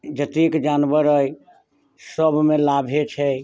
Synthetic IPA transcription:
d͡ʒət̪ikd͡ʒanbəɾəj | səbʱmelabʱet͡ʃʰɛ

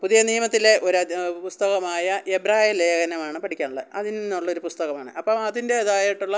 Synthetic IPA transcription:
puðijɐniːmɐt̪ːile̞ʔo̞ɾɐpust̪ɐɣɐmaːjɐʔebɾaːijleːɣɐnɐmaːɳɨpɐʈʰikʲːaːɳuɭːɐðɨɐðinnːuɭːɐo̞ɾupust̪ɐɣɐmaːɳɨ̰ʔɐpːɐmɐðinde̞ːðaːjiʈːuɭːɐ

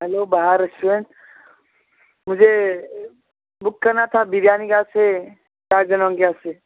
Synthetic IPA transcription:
ɦɛloːbaɦaɾəsuẽnt̪ | mʊd͡ʒʱe | bʊkːɐɾnat̪ʰabiʋjaːniɡaːse | kaːd͡ʒənɔ̃ːŋɡjase

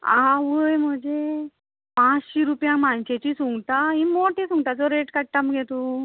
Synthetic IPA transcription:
a̰ãʋəjm̤əd͡ʑe | pãt͡sɕiːɾupjãŋmant͡ɕet͡ɕisuŋɡt̪aĩmoʈisũŋɡt̪ad͡zɔɾeʈkəɽt̪amɡʱet̪u

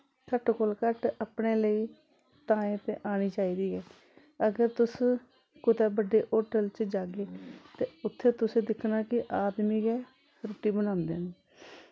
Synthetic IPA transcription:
kəʈkoːlkəʈapɳeːləiː | t̪aːẽːt̪eːʔaːñiːt͡ʃaːiːd̪iːɛː | əɡəɾt̪ʊs | kʊt̪ɛːbəɖeːʔoːʈəlt͡ʃd͡ʒaːɡeːt̪eːʊt̪ʰːeːt̪ʊsẽːd̪ɪkʰnaːkɪʔaːd̪miːɡɛː | ɾoːʈiːbənãːnd̪eːneː

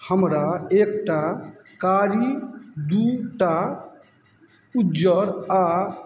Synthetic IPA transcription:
həmɾaek̚ʈakaɾid̪uʈa | ud͡ʒəɾa

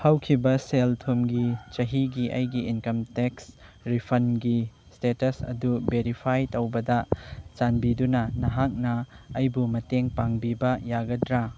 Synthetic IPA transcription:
hɐwkʰibɐseltʰomɡit͡ʃɐɦiɡiʔɐjɡiinkɐmteksɾipʰɐnɡi | stetɐsɐ̰dubeɾipʰajtɐwbɐdɐt͡ʃanbidunɐnɐɦak̚nɐːjbumɐteŋpaŋbibɐjaɡɐdɾa

